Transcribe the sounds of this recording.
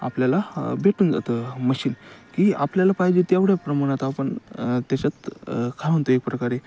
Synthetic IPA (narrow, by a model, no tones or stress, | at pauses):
a̰pljalabʱeʈuːnd͡za̰t̪əməɕiːnkiːa̰pljalapajd͡ʑet̪jaʋɽjapɾəmaɳ̃at̪apəɳt̪jat͡ɕat͡skʰãnt̪oek̚pɾəkaɾe